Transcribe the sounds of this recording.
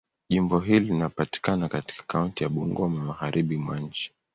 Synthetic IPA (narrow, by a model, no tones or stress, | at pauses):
ʄimbɔɦilinapati̥kanakati̥kḁkauntijaɓuŋɡɔmamaɣaɾʔiɓimwa̰ɲ̩t͡ʃi̥